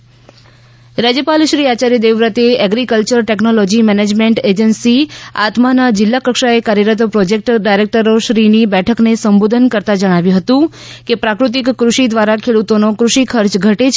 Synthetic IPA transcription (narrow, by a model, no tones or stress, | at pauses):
ɾad͡ʒjəpalʃɾiat͡ʃaɾid̪eʋɾət̪eɛɡɾikəlt͡ʃəɾʈeknolɔd͡ʒimɛned͡ʒmeɳʈed͡ʒənsia̰t̪manad͡ʒɪlːakəkʃaekaɾjəɾət̪pɾɔd͡ʒek̚ʈɖajɾek̚ʈəɾoʃɾinibɛʈʰəknesəmbod̪ʱənkəɾt̪ad͡ʒəɽ̃aʋjũɦət̪ũ | kepɾakɾut̪̬ikːɾuʃid̪ʋaɾakʰeɽut̪onokɾuʃikʰəɾt͡ʃɡʱəʈet͡ʃʰ